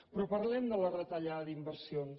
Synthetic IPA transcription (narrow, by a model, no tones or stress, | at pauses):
pɾɔpəɾlɛmd̪ələrət̪əʎaðəðimbəɾsion